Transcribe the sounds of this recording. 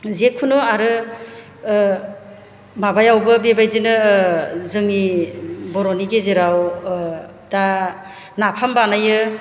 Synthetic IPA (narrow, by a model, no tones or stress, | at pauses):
zekʰːunɯaɾɯ | mabajawbɯbebajdinɯ | zɯŋnibɔɾɔniɡezeɾaw | da | napʰambanajɯ